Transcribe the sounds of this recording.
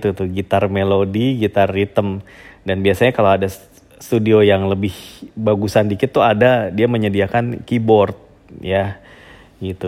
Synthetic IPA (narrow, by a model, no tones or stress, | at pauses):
t̪ut̪ʊhɡit̪armelodiɡit̪arːit̪əmdanbiasaɲakalowada | st̪udiojaŋləbɪhbaɡusandikɪt̪ːuadadiaməɲədiakankibɔrt̪̚ | ja | ɡit̪u